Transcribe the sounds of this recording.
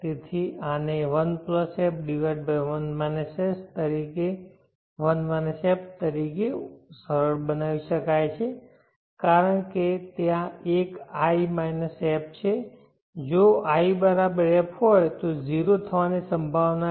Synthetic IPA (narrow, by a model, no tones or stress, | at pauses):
t̪et̪ʰianeʋənpləsɛpɖiʋeɖbənmajnəsest̪əɾike | ʋənʋənsept̪əɾikesəɾəɾbənaʋiʃəkajt͡ʃʰe | kaɾəɳket̪jãekaimajnəsɛp̚t͡ʃʰe | d͡ʒoaibəɾabəɾɛpɦɔjt̪od͡ʒiɾot̪ʰəʋanesəmbʱaʋna